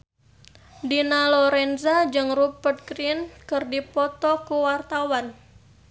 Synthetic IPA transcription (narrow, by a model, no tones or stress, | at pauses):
dinalɔɾɛnzad͡ʒɨŋrupət̪̚kɾinkɨrdipɔt̪ɔkuwart̪awan